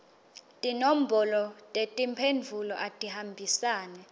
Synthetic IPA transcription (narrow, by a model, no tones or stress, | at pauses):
tʼinom̩bʱɔlɔtʼetʼimpʰend͡vʱulɔʔatʼihambʱisaːnɛ